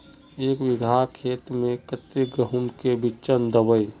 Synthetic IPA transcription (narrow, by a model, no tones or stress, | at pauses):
eːkʋɪɡʱakʰeːt̪mẽkət̪iɡɾəɦumkebit͡ʃənd̪əbəj